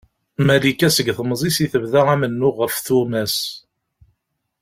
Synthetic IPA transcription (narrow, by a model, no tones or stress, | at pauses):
mælikːæsəɡθəmzˤisiθəvðaæmənːʊʁəfθumæs